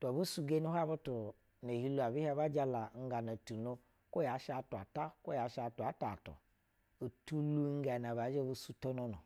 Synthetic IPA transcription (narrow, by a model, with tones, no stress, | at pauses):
ta˨bu˦su˧ɡe˦nu˦ɦa˦bu˦tu˨ | ne˨hi˧lu˦a˨bi˦ha˧ba˦d͡ʒa˧la˨ŋ̩˦ɡa˨na˨tu˨no˧ | ko˦ja˨˦ʃa˧˨tu˨a˨ta˦ko˦ja˨˦ʃa˧˨tu˨a˨˦ta˨tṵ˨ | o˨tu˦lu˦ŋ˦ɡa˨n˨a˨ba˨˦d͡ʒe˦˨bu˧su˦to˦no˨˧no˨